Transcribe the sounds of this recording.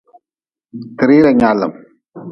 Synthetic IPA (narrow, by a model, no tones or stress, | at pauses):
t̪ɾiːɾɐɲaːlɐ̰m